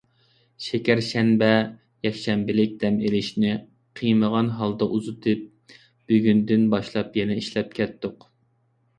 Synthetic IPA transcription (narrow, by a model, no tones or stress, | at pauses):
ʃɛkʲæɾʃɛnbɛ | jɛkʲʃɛmbɪlɪk̚ʲd̪̥ɛmelɪʃnɪ | qʰijməʁɑnɦɑlˠd̪ɑʔuzut̪ʰɨp̚ | b̥yɡʲynd̪ɪnbɑʃlˠɑpjɛnɛiʃlɛp̚kʲʰɛt̪ːʊq